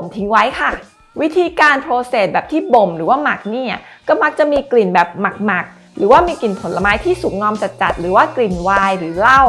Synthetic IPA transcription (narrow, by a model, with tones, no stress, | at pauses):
pʰo˨˩˦mt̪ʰi˦˥ŋwa˦˥jkʰa˥˩ | wi˦˥t̪ʰiː˧kaː˧nt̪ʰɾoː˧seː˨˩t̪̚bɛː˨˩p̚t̪ʰiː˥˩bo˨˩mɾɯː˩˦waː˥˩ma˨˩k̚niː˥˩a˧˩kɔː˥˩ma˦˥k̚t͡ɕa˨˩miː˧kli˨˩nbɛː˨˩p̚ma˨˩k̚ma˨˩k̚ | ɾɯː˩˦waː˥˩miː˧ki˨˩npʰo˩˦nla˧maː˦˥jt̪ʰiː˥˩su˩˦ŋ̚ŋɔː˧mt͡ɕa˨˩t̪̚t͡ɕa˨˩t̪̚ɾɯː˩˦waː˥˩kli˨˩nwaː˧jɾɯː˩˦la˥˩w